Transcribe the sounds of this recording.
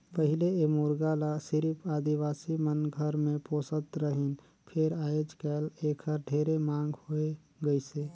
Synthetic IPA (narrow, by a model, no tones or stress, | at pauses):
pəɦɪleemuɾɡalasɪɾipʰaːd̪iwaːsimənɡʱəɾmẽpoːsət̪ɾəɦin | pʰeɾaːjod͡ʒkɛːleːkʰəɾɖʱeːɾemãːŋɡhoe | ɡəiseː